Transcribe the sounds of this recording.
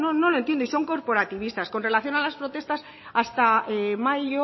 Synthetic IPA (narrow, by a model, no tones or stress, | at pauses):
nono̞lo̞ent̪jend̪oiso̞ŋko̞ɾpo̞ɾat̪iβist̪asko̞nre̞laθjo̞nalaspɾo̞t̪est̪as | ast̪aemaʎo